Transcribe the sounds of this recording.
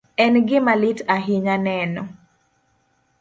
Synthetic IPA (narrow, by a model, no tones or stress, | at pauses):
ɛnɡɪmalitaɦiɲanɛnɔ